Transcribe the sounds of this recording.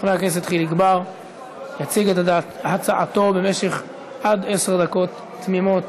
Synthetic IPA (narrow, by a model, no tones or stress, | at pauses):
χneaknes̬it̪χiliɡbaʁ | jat͡siɡet̪hat͡saʔat̪o̞be̞me̞ʃe̞χ | ʔad̪eseʁd̪ako̞t̪ː | mimo̞t̪